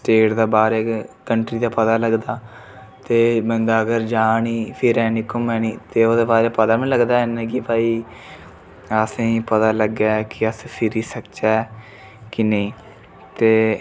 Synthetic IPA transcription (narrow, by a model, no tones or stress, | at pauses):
sʈeːʈd̪aːbaːɾeːkəɳʈɾiːd̪aːpət̪aːləɡd̪aː | t̪eːbənd̪aːəɡəɾd͡ʒaːniːpʰɪɾɛːnɪkʊmɛːniːt̪eːoːd̪eːbaːɾeːpət̪aːmĩːləɡd̪aːnẽɡipaːiː | əsẽpət̪aːləɡaːkɪəspʰɪɾiːsəkt͡ʃɛː | kɪneĩː | t̪eː